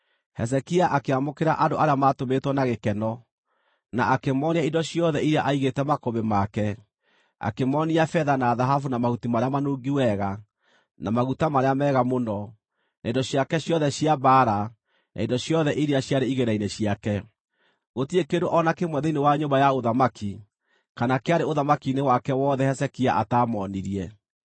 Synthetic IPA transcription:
hɛs̬ɛkiaʔakeamokeɾaʔandoʔaɾeamatometwɔnaɣekɛnɔ | naakemɔneaindɔɕjɔðɛiɾeaʔaiɣetɛmakoβemakɛ | a̰kemɔniafɛðanaðaɦafunamaɣutimaɾeamanoːɡiwɛɣa | namaɣutamaɾeamɛɣamonɔ | naindɔɕjakɛɕjɔðɛɕjabaɾa | nʔa̰indɔɕjɔðɛʔiɾeaɕjaɾeiɣeɾaineɕjakɛ | ɣotiekendoʔɔnakemwɛðeinewaɲombajaoðamaki | kanakeaɾeoðamakinewakɛwɔðɛhɛsɛkia̰ʔataːmɔniɾiɛ

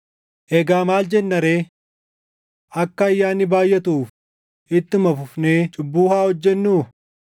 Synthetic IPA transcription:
ʔɛɡaːmaːld͡ʒɛnːɐɾeː | ʔɐkːɐːjːaːnːɪbaːjʔɛt̪uːf | ʔɪt̪ːɪmɐfʊfneːt͡ʃʼʊbːuːhaːhɔd͡ʒːɛnːuː

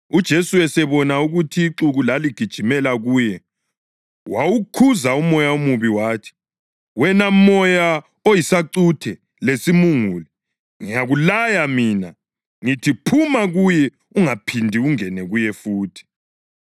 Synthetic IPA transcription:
ud̥ʒ̥ʱesuɛsɛβɔnauɣutʰiːǁuɣulaliɡ̥ʱid̥ʒ̥ʱimɛlaɣuːjɛ | wawukʰuzaumɔjaumuβiwaːtʰi̥ | wɛnamɔja | ojisaǀutʰɛ | lesimuŋuːli | ŋiaɣulajamiːna | ŋitʰipʰumaɣujɛ | uŋapʰindʱiuŋɛnɛɣujɛfuːtʰi̥

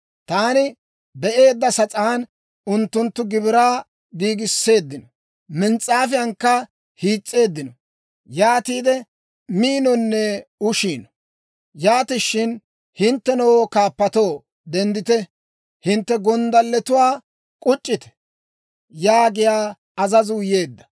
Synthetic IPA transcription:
t̪aːnɪ | bɛʔe̞ːd̪ːɐsɐt͡sʼaːn | ʊnt̪ːʊnt̪ːʊɡɪbɪɾaː | ɡiːɡɪsːe̞ːd̪ːɪnɔ | mɪnt͡sʼːaːfɪjɐŋkːɐ | hiːt͡sʼːe̞ːd̪ːɪnɔ | jaːt̪iːd̪ɛ | miːnɔnːɛʊʃiːn | jaːt̪ɪʃːɪn | hɪnt̪ːɛnɔwokaːpːɐt̪o̞ː | d̪ɛnd̪ɪt̪ɛ | hɪnt̪ːɛɡɔnd̪ɐlːɛt̪ʊwaː | kʼʊt͡ʃʼːɪt̪ɛ̥ | jaːɡɪjaː | ɐzɐzʊje̞ːd̪ːɐ̥

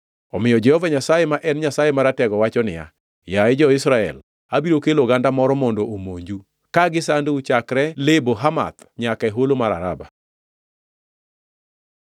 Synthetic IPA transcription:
ɔmɪjɔd͡ʒɛhɔvaɲasajemaʔɛnɲasajemaɾatɛɡɔwat͡ʃɔnɪ̰ja̰ | jaɛd͡ʒɔɪsɾaɛ̰l | abiɾokeloɡandamɔɾɔmɔndoʔomoɲd͡ʒu | kaɡɪsandut͡ʃakɾɛleboɦama̰t̪ | ɲakaeɦolomaɾa̰ɾaba

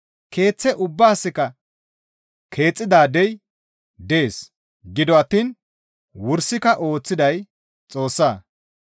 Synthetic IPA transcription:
kʰe̞ːt͡sːɛʔʊbːaːsːɪkɐ | kʰe̞ːt͡sʼːɪd̪aːd̪ɛj | d̪eeːs | ɡɪd̪ɔɐt̪ːiːn | wʊɾsɪkɐʔo̞ːt͡sːɪd̪ɐj | t͡sʼo̞ːsːaː

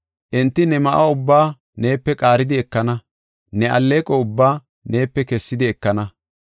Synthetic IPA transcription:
ʔɪnt̪ːɪnɛmɐʔaʊbːaː | ne̞ːpːɛkʼaːɾɪd̪ɪɛkːɐnɐ | nɛʔɐ̰lːeːkʼɔʊbːaː | ne̞ːpːɛkɛsːɪd̪ɪɛkːɐnɐ

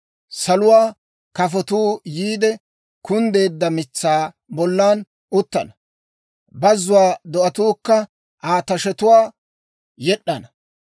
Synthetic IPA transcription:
sɐlʊwaː | kɐfɔt̪uːjiːd̪ɛ | kʊnd̪e̞ːd̪ːɐmɪt͡sːaː | bɔlːaːn | ʔʊt̪ːɐnɐ | bɐzːʊwaːd̪ɔʔɐt̪uːkːɐ | ʔaːt̪ɐʃɛt̪ʊwaː | jɛɗːɐnɐ

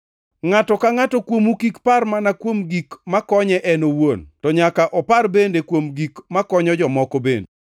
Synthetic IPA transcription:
ŋatɔkaŋatɔkwomukikparmanakwomɡikmakɔɲɛʔɛnowontɔɲakaʔɔparbendekwomɡikmakɔɲɔd͡ʒɔmɔkɔbende

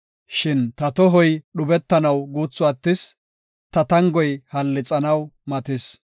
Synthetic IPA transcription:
ʃɪnt̪ɐt̪ɔɦɔjɗʊbɛt̪ːɐnɐwɡuːt͡sːʊɐt̪ːɪs | t̪ɐt̪ɐŋɡɔjhɐlːɪt͡sʼɐnɐwmɐt̪ɪs

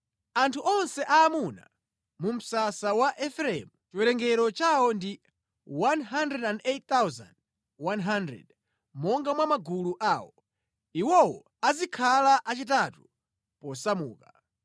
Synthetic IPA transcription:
antʰuʔɔnsɛʔaːmuna̰ | mum̩sasawaʔɛfɾɛɛ̰mut͡ʃiwɛɾɛŋɡɛɾɔt͡ʃawɔndi | wanɦandɾɛdandett̪awza̰nd | wanɦandɾɛ̰d | mɔŋɡamwamaɡuluʔaːwɔ | iwɔwɔ | azikʰalaʔat͡ʃitatu | pɔsamuːka

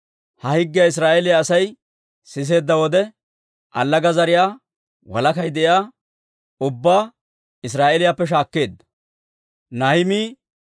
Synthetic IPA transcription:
hɐhɪɡːɪjaɪs̬ɾaːʔɛlɪjaːsɐj | sɪs̬e̞ːd̪ːɐwɔd̪ɛ | ʔɐlːɐɡɐzɐɾɪjaː | wɐ̰lɐkɐjd̪ɛʔjaː | ʊbːaː | ɪs̬ɾaːʔelɪjapːɛʃ̬aːkːe̞ːd̪ | nɐhɪmiː

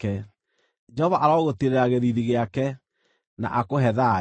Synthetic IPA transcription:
kɛ | d͡ʒɛhɔvaʔaɾɔɣoteɾeɾaɣeðiðiɣeakɛ | na̰ʔakoɦɛða

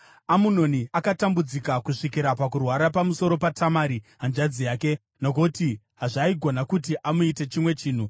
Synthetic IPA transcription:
amuno̞niakatambud͡zikakuʂikiɾapakurwaɾapamuso̞ɾo̞patʰamaɾiɦand͡ʒad͡zijaːke̞ | nok̬oti | ɦaʐaiɡʱo̞nakutiʔamuite̞t͡ʃimwe̞t͡ʃiːn̤u

